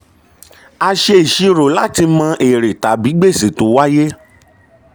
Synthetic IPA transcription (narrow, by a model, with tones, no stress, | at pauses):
a˧ʃe˧i˨ʃi˧ɾo˨la˦ti˧mã˧ʔe˨ɾe˨ta˨bi˨˦ɡ͡be˦˨si˨to˨˦wa˦je˦